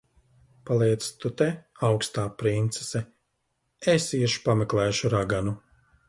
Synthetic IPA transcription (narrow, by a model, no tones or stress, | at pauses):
palˠiɛt̪st̪ut̪ɛawkst̪aːpɾint̪se̥sɛ | esiɛʃpameklˠɛːʃuɾaɡanu